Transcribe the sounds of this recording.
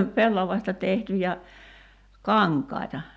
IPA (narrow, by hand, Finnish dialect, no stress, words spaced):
pelːɑʋɑstɑ tehtyjæ kɑŋkˑɑi̞tɑ